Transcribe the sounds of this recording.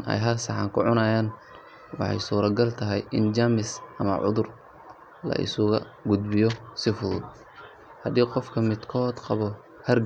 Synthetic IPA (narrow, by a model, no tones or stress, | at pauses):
nʔɛ̰jɦɐrsɑħɑ̰ːŋkʰʊʕʊnajaːn | wɑ̰ħɑ̰jsuːɾɐɡɐlt̪ʰɐɦɛjʔɪnd͡ʒamɪsʔɐmɐ̰ʕʊ̰ðʊr | lɐ̰ʔɪ̰sʊɣɐ | ɡʊd̪bɪjɔsɪfʊðʊd̪̚ | hɐd̪iːqɔfkʰɐmɪd̪kʰɔːd̪qɑβɔ | hɐr